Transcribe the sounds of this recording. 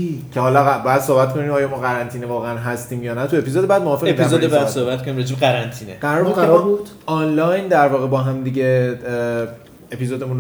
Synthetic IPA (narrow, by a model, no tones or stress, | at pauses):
cʰehɒːlɒæbɒːjæd̪̥soːhbæt̪kʰo̞niːmɒːjɒːmɒːɣæɾænt̪ʰiːnevɒːɣeænɦæst̪iːmjɒːnæt̪ʰue̞piːzoːd̪ebæːd̪moɒːfeep̪ʰiæzodebjad̪sohbæt̪konimɾed͡ʒiːbɢæɾænt̪ʰiːneɢæɾɒɾbud̪ʰɾɒbud̥̪ | ɒːnlɒjnd̪æɾvɒːɣebɒːɦæmd̪iɟe | epizoːd̪e̞mun